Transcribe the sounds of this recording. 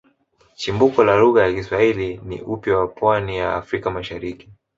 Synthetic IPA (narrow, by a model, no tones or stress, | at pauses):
t͡ʃimbukɔlaluɣajakiswailinḭʔupjawapwanija̰ːfɾikamaʃaɾiki̥